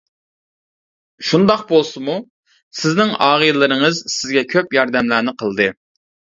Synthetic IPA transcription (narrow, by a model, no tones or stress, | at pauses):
ʃund̪ɑq̚bolˠsɨmu | sɪznɪŋɑːʁəjlˠɨɾɨŋəzsɪzɡʲɛkʲʰøpjɑɾd̪ɛmlæːnɪqʰəlˠɨd̪ɨ